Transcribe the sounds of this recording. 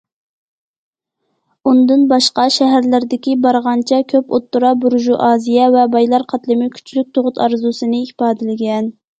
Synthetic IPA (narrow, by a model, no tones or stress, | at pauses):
und̪ɨnbɑʃqɑʃɛɦæɾlɪɾd̪ɪkʲibɑɾʁɑnt͡ʃʰɛkʲʰøpot̪ːuɾɑbuɾʒuʔɑːzijɛvɛbɑjlˠɑɾqʰɑt̪lˠɨmɪkʲʰy̥t͡ʃʰylyk̚ʲt̪ʰoʁʊt̪ʰɑɾzusɨnɨipɑːd̪ɪlɪɡʲɛn